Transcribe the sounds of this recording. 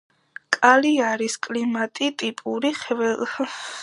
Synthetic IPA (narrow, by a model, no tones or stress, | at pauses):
kʼaliaɾiskʼlimat̪ʼit̪ʼipʼuɾiχvɛ